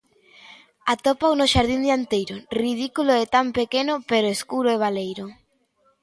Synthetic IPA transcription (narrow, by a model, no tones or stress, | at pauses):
at̪opawnoʃaɾðind̪eant̪ejɾorið̞ikuloet̪ampekenʊpeɾoeskuɾoeβ̞alejɾʊ